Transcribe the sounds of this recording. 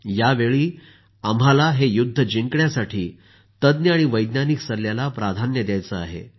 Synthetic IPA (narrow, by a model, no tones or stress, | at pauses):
jaʋeɭiː | am̤alaɦejud̪ʱːəd͡ʑiŋkɳjasaʈʰiː | t̪əd̪njəaɽ̃iʋəjd̪naniksəɾljalapɾad̪ʱanjəd̪jajt͡səa̰ɦḛ